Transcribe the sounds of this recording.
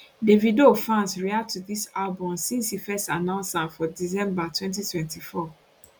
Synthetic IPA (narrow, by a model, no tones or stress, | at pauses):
devidofãnsɹiatuðisalbɔ̃msĩnshifɛstanãʊ̃nsãnfɔdizɛ̃mbatwɛ̃nt̬itwɛ̃ntifɔ